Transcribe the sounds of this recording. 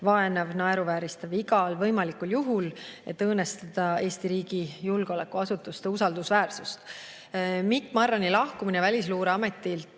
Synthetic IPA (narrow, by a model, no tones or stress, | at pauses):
vɑe̞nevnɑeɾuvæːɾist̪ɑviɡɑlvɤ̞jmɑlikuljuɦule̞t̪ːɤːne̞st̪ɑd̪̥ɑe̞ːst̪iɾiːɡ̥ijulɡ̥eo̞le̞kːuɑsut̪ːˑust̪eusɑld̪usvæːrsust̪ | mikːmɑrːɑnilɑhkuminevælʲisluːɾeɑme̞t̪ːˑil